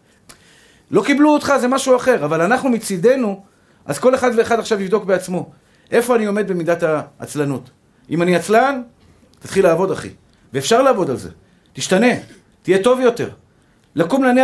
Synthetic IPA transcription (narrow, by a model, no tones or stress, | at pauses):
lo̞kibluot̪χaze̞maʃuaχe̞ʁavalanaχnumit͡sid̪e̞nu | ʔa̰zko̞le̞χad̪ve̞ːχadaχʃavivd̪o̞kbeat͡smo̞ | ʔe̞fo̞anio̞me̞d̪̚be̞mid̪ata̰ːt͡slanut̪ | imaniat͡slan | t̪at̪χilaːvo̞d̪aχḭ | veeːfʃaʁlaːvo̞dalze̞̰ | tiʃtane̞ | t̪ije̞to̞vjo̞te̞̰ʁ | lakumlani